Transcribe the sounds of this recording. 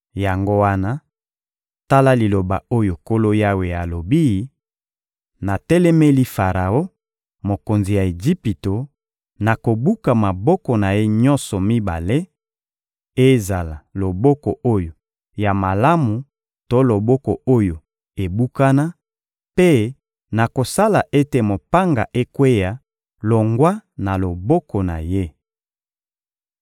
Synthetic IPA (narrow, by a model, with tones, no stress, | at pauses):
ja˨ŋɡo˦wa˦na˦ | ta˦la˦li˨lo˨ba̰˨o˦jo˨ko˦lo˦ja˦we˨ja˨lo˨bi˦ | na˨tɛ˦lɛ˦mɛ˦li˦fa˨ʁa˨o˦ | mo˨ko˨nzi˨ja˨e˨ʒi˦pi˨to˨ | na˨ko˨bu˦ka˨ma˨bɔ˦kɔ˨na˨je˦ɲɔ˦nsɔ˨mi˦ba̰˨le˦ | e˦za˨la˨lo˨bɔ˦kɔ˨ʔo˦jo˨ | ja˨ma˨la˦mu˨ | to˦lo˨bɔ˦kɔ˨o˦jo˨ | e˨bu˦ka˦na˦ | pe˦ | na˨ko˨sa˦la˨ʔe˦te˨mo˨pa˦ŋɡa̰˨ʔe˦kwe˦ja˨ | lo˨ŋɡwa˦na˨lo˨bɔ˦kɔ˨na̰˨je˦